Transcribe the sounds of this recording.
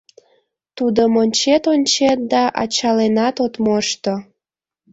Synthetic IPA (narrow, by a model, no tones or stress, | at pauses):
t̪ud̪əmonʲt͡ɕet̪onʲt͡ɕet̪̚d̪ɑʔɑ̰t͡ɕɑlenɑt̪ot̪moʃt̪o